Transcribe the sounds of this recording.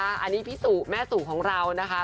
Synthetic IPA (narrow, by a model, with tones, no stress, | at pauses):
a˦˥ʔa˧nːiː˦˥pʰi˦˥suː˨˩t̚mɛː˦˥suː˨˩kʰɔː˩˦ŋɾa˧wna˦˥kʰa˦˥